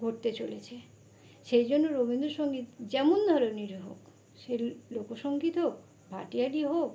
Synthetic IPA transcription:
ɡʱoʈ̚t̪et͡ɕolet͡ɕʰe | ʃejd͡ʑonːoɾobind̪oʃoŋɡit̪d͡ʑɛmond̪ʱɔɾoniɾɦo̰k | ʃelokoʃoŋɡit̪ok̚ | bʱa̰ʈialiɦok

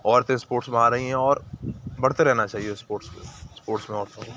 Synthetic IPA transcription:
ɔːɾt̪ẽspoːʈsbeaɾɐɦiɦɛ̃ɔːɾbɐɽ̤t̪eɾɛɦnat͡ʃaːɦiespoːʈskḛspoːʈsmẽɔːɾt̪ẽɦ

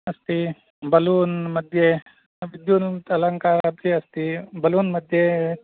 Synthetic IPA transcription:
ɐst̪i | bɐluːnmɐd̪ʱje | ʋɪd̪juːnt̪ɐlɐŋkaːɾapiɐst̪ibɐluːnmɐd̪ʱje

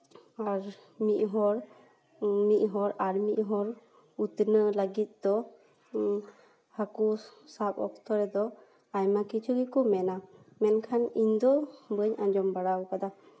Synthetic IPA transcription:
aɾmiʔ̪̚ɦɔɾ | miʔ̪̚ˀɦɔɾaɾmiʔ̪̚ˀɦɔɾ | ut̪nələɡit̪̚ˀd̪ɔ | hakusapɔ̰k̚t̪ɔɾɛd̪ɔ | ajmakit͡ʃʰuɡikɔmɛna | mɛnkʰaniɲd̪ɔbəɲãd͡ʒɔmbaɽawkad̪a

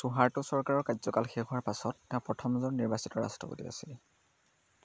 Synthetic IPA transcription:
suɦaɹtʊsɔɹkaɹɔɹkajzɔkalxexʊwaɹpasɔtːɛ̃ãpɹɔtʰɔmzɔnniɹbasitɔɹa̰stɹɔ̰potḭa̰sil

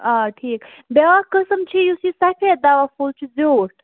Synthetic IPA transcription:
aʈʰiːk | beʋakəsəmt͡ʃʰijusisafʰed̪aʋafult͡ʃʰid͡zoʈ̚

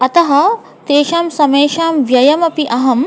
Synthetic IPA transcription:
ɐt̪ɐɦɐ̆ | t̪eːʃaːmsɐmeːʃaːmʋjɐjɐmɐpiʔɐɦɐm

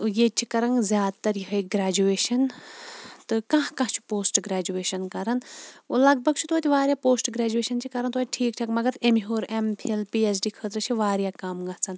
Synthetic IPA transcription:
jet͡ʃʰikɐɾɐŋɡzʲjaːd̪̚t̪ɐɾjiɦɐjɡɾaːd͡ʒueːʃɐn | t̪ɨkɐ̃ɦkɐ̃ɦt͡ʃʰu̥poːsʈɡɾaːd͡ʒueːʃɐnkɐɾɐnolɐɡ̚bʱɐɡt͡ʃʰut̪oːt̪ʲiʋaːɾjaːpoːsʈɡɾaːd͡ʒueːʃɐnt͡ʃʰikɐɾɐnt̪oːt̪ʈʰiːkʈʰaːkmɐɡɐɾemiɦoːɾempʰielpiːes̬ɖiːkʰət̪ɾɐt͡ʃʰiʋaːɾjaːkamɡɐt͡sɐn

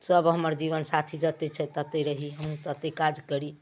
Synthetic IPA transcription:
səbɦəməɾd͡ʒiβənsat̪ʰid͡ʒət̪et͡ʃʰɛt̪ət̪eɾəɦiɦəmũt̪ət̪ekad͡ʒkəɾi

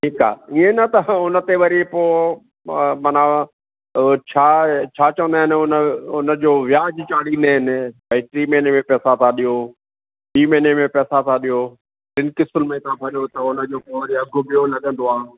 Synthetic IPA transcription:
ʈʰiːka̰ːiẽnɐt̪ɐʊnə̆t̪eʋɐɾipoː | mɐna | t͡ɕʰaːt͡ɕʰaːt͡ɕɐʋə̃nd̪aːɦɪnɪ̆ʊnəʊnəd͡ʑoːʋɪjaːd͡ʑt͡ɕaːɽiːnd̪aːɦɪnɪ̆bɐiʈɾiːmeːnemẽpɛːsat̪ʰãɗijoː | ɖiːmẽːnemẽpɛːsat̪ʰaɗijoː | ʈɪnɪkɪsəlmẽt̪ʰãbʰʱɐɾijot̪ɐʊnə̆d͡ʑoːpoʋɐɾiɐɡʱʊ̆bɪjonɐɠə̃nd̪oaː

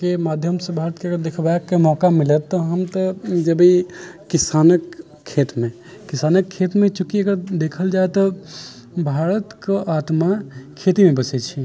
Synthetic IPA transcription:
kemad̪ʱjəmsẽbʱaɾət̪̚keəɡəɾd̪ekʰbaekːemɔkamilɛt̪ːɔɦəmt̪əd͡ʒəbiː | isanəkʰː | et̪mẽ | kisanəkʰːet̪mẽt͡ʃukiəɡəɾd̪ekʰəld͡ʒaet̪ɔ | bʱaɾət̪keʔat̪makʰet̪imebəsɛt͡ʃʰi

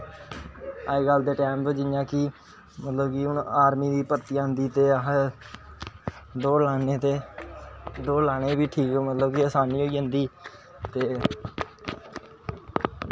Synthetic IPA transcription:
aːeːɡəld̪eːʈɛːmpːd͡ʒɪnjãːki | mət̪ləbkiʊnaːɾmiːd̪iːpəɾt̪iːaːnd̪iːt̪eːɦ | d̪oːɾlaːneːt̪eː | d̪oːɾlaːɽ̃eːbiːʈʰiːkɛmət̪ləbkiəːsaːniːɦoːiːɦə̃nd̪iː | t̪eː

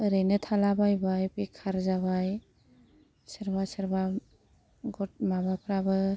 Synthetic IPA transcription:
ɾɯjnɯtʰalabajbajpekʰːaɾzaβaj | səɾbasəɾba | ɡɔt̚mabapʰɾabɯ

